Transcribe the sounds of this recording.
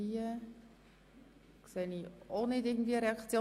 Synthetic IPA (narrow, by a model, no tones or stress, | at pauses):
iːə | kseːnionɪtɪɐɡŋn̩tviːəɾeɑkt͡sjoː